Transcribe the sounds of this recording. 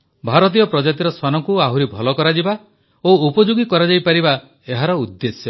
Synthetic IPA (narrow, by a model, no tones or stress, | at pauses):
bʱaɾɔt̪̬ijɔpɾɔd͡ʒat̪iɾɔswanɔŋkuaɦuɾibʱɔlɔkɔɾad͡ʒiba | oupɔd͡ʒuɡikɔɾad͡ʒajpaɾiba | eɦaɾɔud̪ːesjɔ